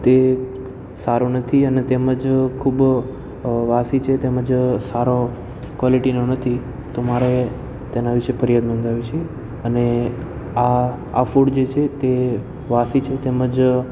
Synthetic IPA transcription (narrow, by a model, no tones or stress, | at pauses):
t̪e | saɾunət̪ʰiənet̪eməd͡ʒkʰub | ʋasit͡ʃʰet̪eməd͡ʒsaɾo | kʋɔliʈinonət̪ʰi | t̪omaɾe | t̪enaʋiʃepəɾijad̪nõnd̪ʱaʋit͡ʃʰe | əne | a | a̰fuɽd͡ʒet͡ʃʰet̪e | ʋasit͡ʃʰet̪eməd͡ʒ